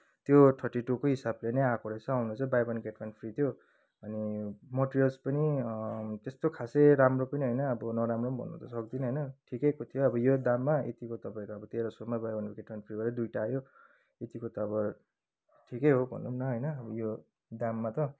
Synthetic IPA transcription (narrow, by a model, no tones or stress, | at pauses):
t̪joʈʰʌʈːiʈokoɦisablenʌjakoɾʌjt͡sʰʌawnut͡sʌbajbʌnkeʈmanpʰrit̪ʰijo | ʌnimʌʈrijʌlspʌni | t̪est̪okʰaseɾamropʌniɦʌjnʌʌbʌnʌɾamrombʱʌ̰nːʌ̰d̪ʌsʌk̚d̪inʌɦʌjnʌʈʰikʌjkot̪ʰijoʌbʌjod̪amːaḛt̪ikot̪ʌpaẽkoʌbʌt̪eɾosomabajbankokeʈmanpʰribaɾʌd̪ujʈaːjo | et̪ikot̪ʌːbʌ | ʈʰikʌjɦobʱʌ̰nːunnʌɦʌjnʌːbʌjo | d̪amːat̪ʌ